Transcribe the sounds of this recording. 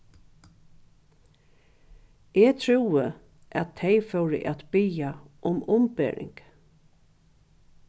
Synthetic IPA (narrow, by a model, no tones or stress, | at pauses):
ɛːt̪ʰɹuːə | ʔæt̪ʰːeɪfœwɹɪ̰ʔæt̪bɪja | ʔʊmʊmpḛːɹɪ̰ŋk